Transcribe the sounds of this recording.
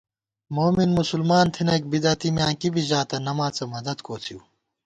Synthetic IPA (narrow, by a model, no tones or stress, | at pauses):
moːminmusulmaːnt̪ʰinɐk̚bid̪ɐt̪imjãːkibiʑaːt̪ɐnɐmaːt͡sɐmɐd̪ɐd̪kʰoːt͡s̪ʰiu